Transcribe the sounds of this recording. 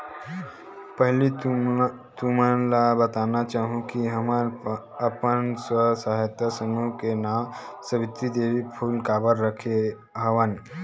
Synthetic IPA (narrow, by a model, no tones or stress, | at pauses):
pəɦli | t̪umalabət̪anat͡ɕaɦũkiɦəma | apənsʋəsaɦajt̪jasənukena | səʋit̪ːid̪eʋiːfʰuːlkabəɾːəkʰe | ɦəʋan